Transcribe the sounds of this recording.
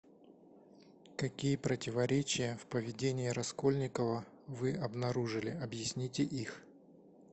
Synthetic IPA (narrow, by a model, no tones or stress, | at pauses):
kɐkʲijəpɾətʲɪvɐɾʲet͡ɕɪjəfpəvʲɪdʲenʲɪjːɾɐsko̞lʲnʲɪkəvə | vɨɐbnɐɾuʐɨlʲɪɐbjɪsʲnʲitʲɪʔix